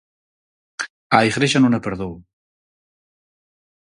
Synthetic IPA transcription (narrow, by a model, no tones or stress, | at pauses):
ajɣɾeʃanonapeɾðow